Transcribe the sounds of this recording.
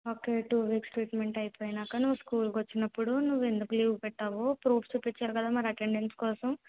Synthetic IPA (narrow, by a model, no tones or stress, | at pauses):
oːke̞ʈuːʋiːksʈɾiːʈme̞ɳʈɐjipoːjinaːkanuʋːskuːlkɐt͡ʃːinɐpːuɽunuʋːe̞nd̪ukuliːɡpɛʈːaːʋoːpɾuːfʰt͡ʃuːpːit͡ʃːaːɾukɐd̪aːmɐɾɐʈe̞ɳɖenskɔːsɐm